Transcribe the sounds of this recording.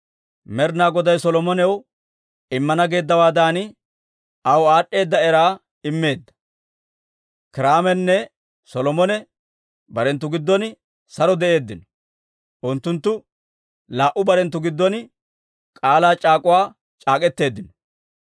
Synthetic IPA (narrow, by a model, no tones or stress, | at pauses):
mɛɾnaːɡɔd̪ɐjsɔlɔmɔnɛw | ɪmːɐnɐɡe̞ːd̪ːɐwaːd̪aːnɪ | ɐwaːɗːe̞ːd̪ːɐɛɾaː | ɪmːe̞ːd̪ːɐ̥ | kɪɾaːmɛnːɛ | sɔlɔmɔnɛ | bɐɾɛnt̪ːʊɡɪd̪ːɔn | sɐɾɔd̪ɛʔe̞ːd̪ːɪnɔ̥ | ʔʊnt̪ːʊnt̪ːʊ | laːʔʊbɐɾɛnt̪ːʊɡɪd̪ːɔn | kʼaːlaːt͡ʃʼaːkʼʊwaː | t͡ʃʼaːkʼɛt̪ːe̞ːd̪ːɪnɔ